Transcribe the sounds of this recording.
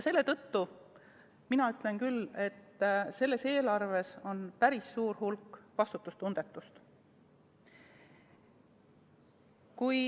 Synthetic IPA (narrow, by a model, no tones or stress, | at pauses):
se̞lːe̞t̪ɤ̞t̪ːu | minɑyt̪ˑle̞nkyle̞t̪ːse̞lːe̞se̞ːlɑrve̞so̞npæɾisːuːɾhulkːˑvɑst̪ut̪ːˑust̪und̪̥e̞t̪ːˑust̪ | kuj